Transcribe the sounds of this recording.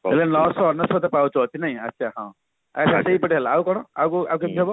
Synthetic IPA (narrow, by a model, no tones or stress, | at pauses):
ɦelenɔsɔːnːɔsɔt̪epawt͡ʃɔt͡ʃʰinaĩɐ̰tːʃʰaɦã̰ | a̰saseɦipɔʈiɦeleaukɔɽ̃ɔa̰wkuakeebɔ